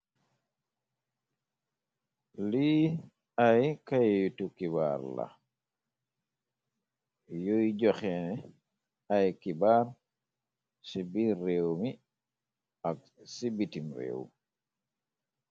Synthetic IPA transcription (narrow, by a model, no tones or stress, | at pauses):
li | ajkajjutukiβa̰ɾla̰ | jojd͡ʒɔxɛnɛ | ajkibaɾ | sibiɾewmi | ak | sibitimɾḛwṵ